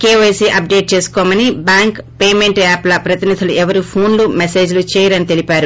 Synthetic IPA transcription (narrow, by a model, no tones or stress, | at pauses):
keːʋɐjsiʔɐp̚ɖe̞ːʈ̚t͡ʃe̞ːsu̥kɔːmɐnibaːŋkpeːmeɳʈaːplɐpɾɐt̪inid̪ʱuluʔɛʋɐɾupʰoːnlumese̞ːd͡ʒlut͡ʃɛːjɐɾɐnit̪e̞lipaːɾu